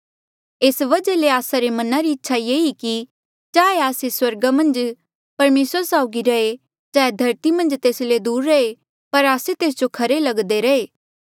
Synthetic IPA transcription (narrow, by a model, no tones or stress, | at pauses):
eːsʋɐd͡ʒaleaːsaɾemɐnaɾiɪtːʃʰajeːiki | t͡ʃaːeaːseswɐɾɡamɐ̃nd͡ʒ | pɐɾmeːsəsaːʊɡiɾɐe | d͡ʒaːed̪ʱɐɾt̪imɐ̃nd͡ʒt̪eːsled̪uːɾːɐe | pɐɾaːset̪eːs̬d͡ʒokʰɐɾelɐɡd̪eɾɐeː